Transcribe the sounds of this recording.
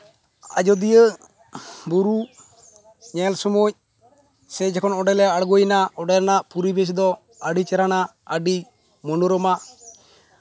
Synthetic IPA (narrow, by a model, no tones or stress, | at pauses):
a̰d͡ʒɔd̪ijə | buɾu | ɲɛlsɔmuc̚ | sɛd͡ʒɛkʰɔnɔɖɛlɛaɽɡɔjnaɔɖɛɾnaʔpuɾibes̬d̪ɔ | əɖit͡ʃɛɾanaəɖi | mɔnɔɾɔmaʔ